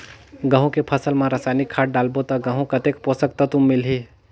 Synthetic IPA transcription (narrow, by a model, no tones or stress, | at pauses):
ɡə̃ɦõkepʰəsəlmãɾəsajnikʰːaːʈ̚ɖaːlbot̪ɐɡə̃ɦũkɐt̪ekposəkt̪at̪ʊmːɪlɦi